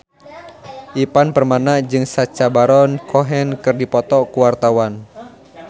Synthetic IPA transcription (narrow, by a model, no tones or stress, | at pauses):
ʔipanpərmanad͡ʒɨŋsat͡ʃabaɾɔnkʰɔɦɛnkɨrdipɔt̪ɔkuwart̪awan